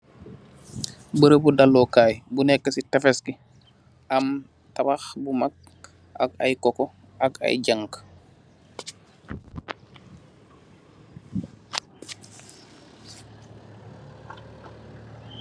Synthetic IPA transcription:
bəɾebudalːokaːjbunɛkːəsitefeski | am | tabaxbumak̚ | aka̰jkɔkɔ | aka̰jɟaŋk

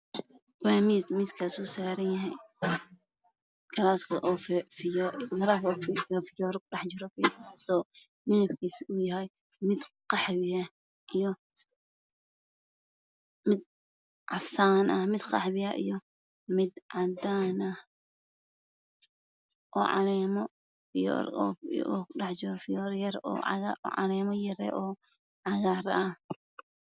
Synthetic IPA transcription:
wɑːmiːd̪mɪd̪kʰɐsusaːɾɐnjɐɦɛj | ɡʰɐɾaːskʰɔʔɔffɪjɔɡɐɾakɔfɔfɪjɔːɾkɖɑħt͡ʃɪɾɔkɛssɔː | mɪnɐbkʰiːsʊjɐɦɛj | mɪd̪qɑħβɪɐ | ijɔ | mɪd̪̚ | ʕɑsaːnʔɐmɪd̪qɑħβɪɐʔḭjɔ | mɪd̪ʕɑd̪aːnɐ | ʔɔːʕɑ̰lɛːmɔ | j̰ | ɖɑħt͡ʃɪɾɔfɪjɔrjɐɾɔ̰ːʕɑ̰lɛːmɔjɐɾɛ̰ːʔɔː | ʕɑɣaːɾɐh

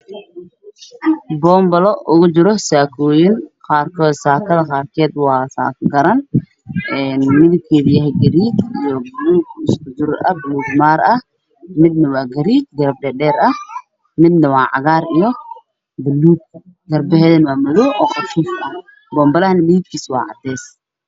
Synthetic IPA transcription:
bɔːmbɐlɔʔʊɣʊd͡ʒɪɾɔsaːkʰɔːjɪnqɑːrkʰɔːd̪saːkʰɐðɐqɑːrkʰɛːd̪wɑːsa̰ːkɡɐɾɐn | ɛːnmɪðɪb̚kʰɛːðijɐɦɛjɡɐɾiːt͡ʃijɔbɐluːkɪskʊd͡ʒɪɾʔɐbɪluːɡmaːɾɐh | mɪd̪̚nɐwaːɡɐɾiːt͡ʃɡɐɾɐb̚ɖɛːɗɛːɾɐh | mɪd̪nɐwɑːʕɑ̰ɣaːrijɔ | bɐlːuːɡ̚ | ɡɐrbɛhɛːðɐmaːmʊðɔʔɔːqɑʃuːfɐ | bɔːmbɐlɐhnɪlit̪kʰiːswɑ̰ːʕɑ̰d̪ɛːs

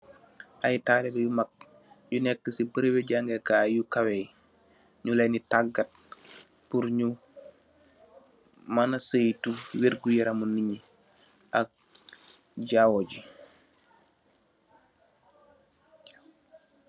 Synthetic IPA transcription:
ʔɐjtaːlɛbɛjumak̚ | junɛkːəsipəɾeweɟaŋɡekaːjukawej | ɲulɛnitaɡːɐt̚ | puɾɲu | manɐsəjtuwiɾɡujɛɾamuniɲi | ʔɐk̚ | ɟawoɟi

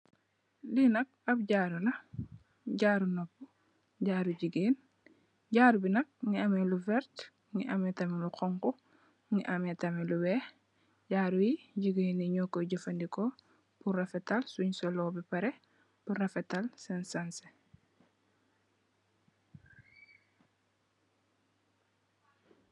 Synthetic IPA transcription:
linɐk̚ɐb̚ɟaːɾulɐ | ɟaːɾunɔpːu | ɟaːɾuɟiɡiːn | ɟaːɾubinɐk̚ŋiɐmɛluvɛɾt | ŋiʔɐmɛtɐmɛluqɔŋku | ŋiʔɐmɛtɐmɛluwɛː | ɟaːɾujiɟiɡiːniɲɔkːɔɟɐfɐndikɔ | purɐfɛtalsuɲsɔlɔːbipɐɾɛ | purɐfɛtalsɛnsanse

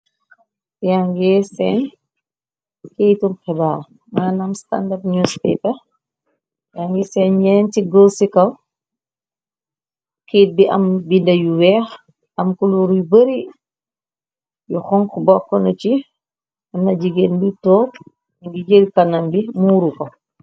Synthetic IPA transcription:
jaŋɡɛsɛn | kejtumkɛbam | maːnɐmsta̰ndɐp̚ɲɔspɛ̰pɐ | jaŋɡɛsɛnɲɛːntiɡɔlsikɐw | kiːt̚biʔɐ̰mbindɐjuwɛːx | ɐmkuluɾjubəɾi | juxɔŋkbɔkːɔnɐt͡ʃi | ɐmnɐd͡ʒiɡenbitɔːk | iŋɡid͡ʒəlkɐnɐmbimuːɾukɔ

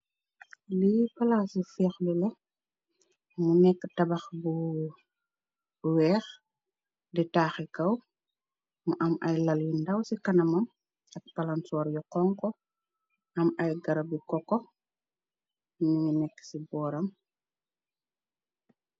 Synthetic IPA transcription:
lipɐlaːsufɛːxlulɐ | munɛkːtɐbɐxbu | wɛːx | ditaːxikɐw | mɐʔɐmɐjlɐljindɐwsikɐnɐmɐm | ɐk̚pɐlansɔːɾjɔkɔŋkɔ | ʔɐmɐjɡɐɾɐbikɔkːɔ | miŋinɛkːsibɔːɾɐm

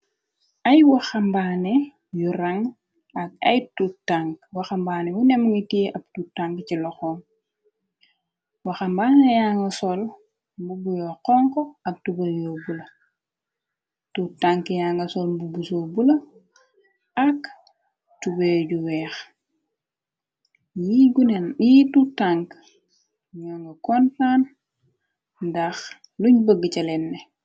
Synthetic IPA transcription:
ɐjwɐxɐmbaːnɛ | juɾaŋ | ɐk̚ɐ̰jtutaŋkwɐxambaːnɛwunɛmŋitieʔɐptutaŋkcilɔxɔːŋ | wɐxambaːnejaːŋɡɐsɔl | mbubujɔqɔŋkɔɐk̚tubɐjɔbulɐ | tutaŋkjaŋɡɐsolbubusobulɐ | ak | tubeɟuwɛːx | jiɡunenjitutaŋk | ɲoŋɡɐkɔntaːn | ndax | luɲbəɡit͡ʃɐlɛnːɛ

